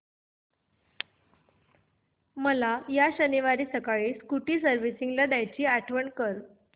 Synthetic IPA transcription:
məlajaɕəniʋaɾiːsəkaɭiːskuʈiːsəɾʋisiŋɡlad̪jajt͡ɕiːaʈʰʋəɳkəɾ

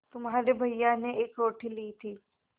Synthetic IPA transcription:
t̪ʊmɦaːɾebʱɐijjaneeːkɾoːʈʰiliːt̪ʰiː

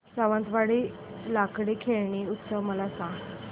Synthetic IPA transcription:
saʋə̃nt̪ʋaɽiː | lakɽikʰeɭɳiːut̪səʋməlasãŋɡ

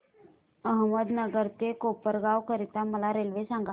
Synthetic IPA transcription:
əɦməd̪nəɡəɾt̪ekopəɾɡaʋkəɾit̪aməlaɾelʋesãŋɡa

